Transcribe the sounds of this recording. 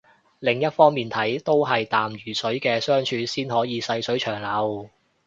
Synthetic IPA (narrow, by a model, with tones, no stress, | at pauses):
lɪ˨˩ŋjɐ˥t̚fɔː˥ŋmiː˨˩nt̪ʰɐ˨˥jt̪o˥wɦɐ˨jt̪aː˨mjyː˨˩sɵ˨˥ɥkɛː˧sœː˥ŋt͡ʃʰyː˧siː˥nhɔː˨˥jiː˨˧sɐ˧jsɵ˨˥ɥt͡ʃʰœː˨˩ŋlɐ˨˧w